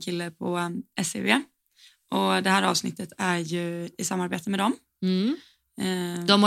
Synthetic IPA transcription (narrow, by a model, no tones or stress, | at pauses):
kʰɪlːəpʰɔʔɛsḛveː | ʔɔd̪ɛɦæːɾɑ̰ːvsnɪ̰t̪ːət̪ʰæjɵɪsamːaɾbeːt̪əmɛd̪ɔm | d̪ɔm